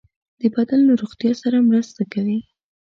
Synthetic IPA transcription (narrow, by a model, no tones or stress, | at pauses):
d̪̥əbad̪alːaɾoɣt̪jɑsaɾamɾəst̪akawi